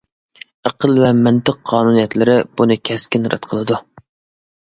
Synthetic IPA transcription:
eqəlˠvɛmɪnt̪ɨqʰːɑːnunijɛt̪lɪɾɪb̥unɨkʲʰɛskʲinɾɨ̰t̪qʰəlˠɨd̪u

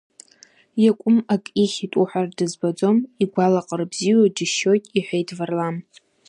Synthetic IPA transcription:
jakʷʼʊmakʼiχʲitʼuħʷardɨzbad͡zo̞miɡʷalaqʼəɾɨbziwad͡ʒɪʃo̞jtʼiħʷᶣejdvarlam

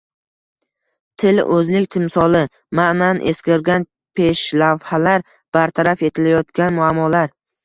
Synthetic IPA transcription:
t̪ʰɪlʔɵzlɪkʲt̪ʰɪmsɒlɪ | mananʔe̞skʲɪɾɡʲan | pʰe̞ʃlavhalaɾ | b̥aɾt̪ʰaɾafe̞t̪ʰɪlajɒt̪kʲanmʊamːɒlaɾ

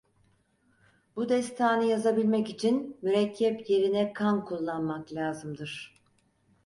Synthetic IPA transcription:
bud̪ɛst̪ʰaːnɯjazabilʲmɛcit͡ʃʰinmyɾɛcʰːɛpje̞ɾinɛkʰankʰulˠːanmaklʲaːzɯmd̪ɯɾ̝̥

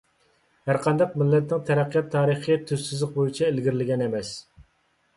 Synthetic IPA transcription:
hæɾqʰɑnd̪ɑq̚mɪlːɛt̪nɪŋt̪ʰɛɾæqʰːijɑt̪ʰːɑːɾəχət̪ʰysɪzlɪq̚bojit͡ʃʰɛelɡʲɪɾɪlɪɡʲɛnemɛs

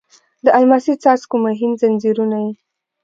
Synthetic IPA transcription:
d̪əʔalmasit͡sɑskumaɦinzanziɾunaji

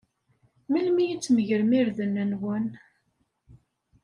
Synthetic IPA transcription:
milmijit͡sːməʝəɾəmiɾðənːænwæn

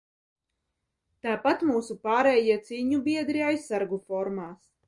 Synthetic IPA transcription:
t̪aːpat̪muːsupaːɾɛːjiɛt̪siːɲubiɛd̪ɾiajsːaɾɡufɔɾmaːs

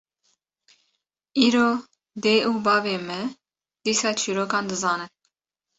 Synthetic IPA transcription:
iːɾoː | d̪eːuːbɑːveːmɛ | d̪̥iːsɑːt͡ʃʰiːɾoːkɑːnd̪ɨzɑːnɨn

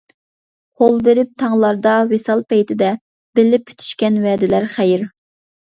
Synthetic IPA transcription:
qʰolˠbeɾɪp̚t̪ʰɑŋlˠɑɾd̪ɑwesɑlˠpɛjt̪ʰɪd̪ɛ | b̥ɪlːɪp̚ʲːʰy̥t̪ʰy̥ʃkʲɛnwɛd̪ɪlæɾχæjɪɾ

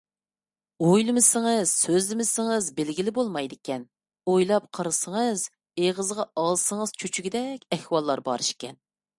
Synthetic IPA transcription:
ojlˠɨmɪsɪŋəz̥søzɪmɪsɪŋəzbɪlɡʲilɪbolˠmɑjd̪ɪkʲɛn | ojlˠɑp̚qʰəɾɨsəŋəz | eʁəzʁɑɑlˠsəŋəz̥t͡ʃʰyt͡ʃʰyɡʲid̪ɛkʲɛhwɑlˠːɑɾbɑ̰ɾɨʃkʲɛn

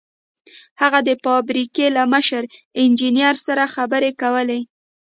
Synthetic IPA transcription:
haɣad̪əfɑbɾikelaməʃəɾɪnd͡ʒinjɑɾsaɾaxabəɾekawəle

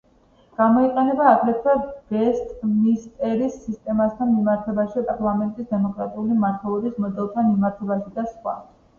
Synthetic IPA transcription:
ɡ̥amɔiqʼɛnɛbaːɡɾɛt̪ʰwav̥ɛst̪ʼmist̪ʼɛɾisːist̪ʼɛmasd̪ʰanmimaɾt̪ʰɛbaʃipʼaɾlˠamɛnt̪ʼisd̪ɛmɔkʼɾat̪ʼiulimaɾt̪ʰɛlˠɔbismɔd̪ɛlˠt̪ʰanmimaɾt̪ʰɛbaʃid̪asχwa̰

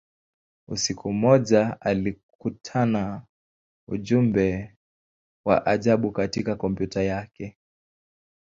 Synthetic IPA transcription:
usikum̩ɔʄaali | kutʰana | uʄumbɛ | wa̰ʔaʄaɓukatikakɔmpjutajakɛ

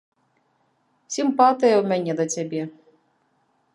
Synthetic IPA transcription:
sʲimpɑt̪ɨjɐwmɛnʲɛd̪ɐt͡sʲabʲɛ

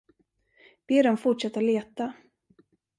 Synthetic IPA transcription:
b̥eːɾɔmfʊʈʂɛt̪ːaleːt̪a

